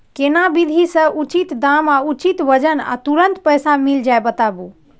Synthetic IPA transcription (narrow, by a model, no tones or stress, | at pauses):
kenabid̪ʱisə̃ʔut͡ʃit̪d̪amaut͡ʃit̪ʋəd͡ʒəna̰t̪uɾənt̪pəjsamild͡ʒajbət̪abu